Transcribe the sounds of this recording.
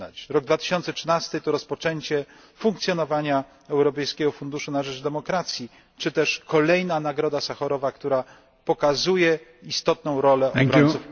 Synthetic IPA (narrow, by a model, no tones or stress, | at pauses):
a̰t͡ɕɾɔɡ̚d̪vat̪ɘ̥ɕɔnt̪sɛtʂɘnast̪ɘt̪ɔɾɔspɔt͡ʂɛɲt͡ɕɛ | fuŋkt̪sʲjɔnɔvaɲa | ɛwɾɔpɛjskʲɛɡɔfund̪uʂunaʐɛd͡ʐd̪ɛmɔkɾat̪sʲji | t͡ʂɘt̪ɛʂkɔlɛjnanaɡɾɔd̪asaxɔɾɔvakt̪uɾa | pɔkazujɛist̪ɔt̪̚nɔ̃w̃ɾɔlɛbɾɔsuf